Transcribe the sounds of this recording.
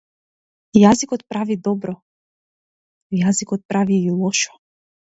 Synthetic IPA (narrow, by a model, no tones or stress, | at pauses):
jazikɔt̪̚pɾavid̪ɔbɾɔ | jazikɔt̪̚pɾaviːlˠɔʃɔ̥